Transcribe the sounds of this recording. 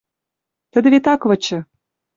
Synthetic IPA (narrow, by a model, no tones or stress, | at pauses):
t̪ə̆d̪ɘ̆βʲet̪ɑkvɤ̆t͡ɕə̆